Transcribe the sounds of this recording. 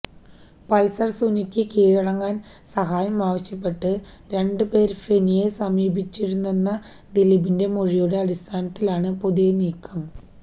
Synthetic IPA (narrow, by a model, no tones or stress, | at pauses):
pɐlsɐrsunikʲːɨkiːɻɐɽɐŋːaːn | sɐɦaːjɐmaːʋɐɕjɐpːe̞ʈːɨ | ɾe̞ɳɖɨpe̞ːɾfe̞nijesɐmiːbʱit͡ɕːiɾunːenːɐ | d̪elibinde̞moɻijoːɽeɐɽist̪ʰaːnɐt̪ːilaːɳɨpoðujeniːkʰːɐm